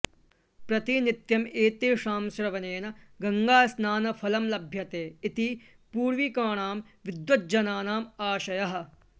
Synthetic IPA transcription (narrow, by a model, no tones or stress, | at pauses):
pɾɐt̪init̪jɐmeːt̪eːʂaːmsɾɐʋɐneːnɐɡɐŋɡaːsnaːnɐfʰɐlɐmlɐbʱjɐt̪eːit̪i | puːɾʋikaːɳaːmʋid̪ʋɐt̪̚d͡ʒɐnaːnaːmaːʃɐjɐɦɐ̆